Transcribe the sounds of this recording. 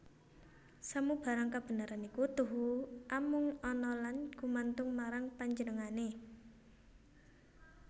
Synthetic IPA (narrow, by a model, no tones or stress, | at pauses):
samub̥a̤ɾaŋkab̥ə̤naɾanikut̪uɦuʔamʊŋɔnɔlanɡ̥umant̪ʊŋmaɾaŋpaɲd͡ʒənəŋane